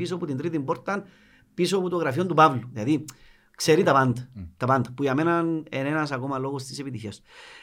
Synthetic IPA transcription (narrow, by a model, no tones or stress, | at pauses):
is̬oput̪int̪ɾit̪impoɾt̪an | pisoput̪oɣɾafjond̪upaβlud̪aði | kseɾit̪apant̪t̪apant̪pujamenanḛnenas̬akomaloɣost̪iseβit̪içjas